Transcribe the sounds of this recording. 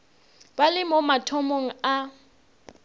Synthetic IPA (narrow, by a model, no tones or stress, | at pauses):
balɪmɔmatʰɔmoŋ̩a